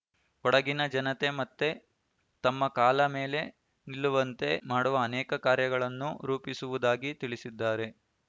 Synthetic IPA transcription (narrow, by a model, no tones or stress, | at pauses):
ɔɽɐɡinɐd͡ʒɐnɐt̪e̞mɐt̪ːe̞ | t̪ɐmːɐkaːlɐme̞ːle̞ | nilːuʋɐnt̪e̞maːɽuʋɐːnɛːkɐkaːɾjɐɡɐɭɐnːuɾuːpisuʋud̪aːɡit̪iɭisid̪ːaːɾe̞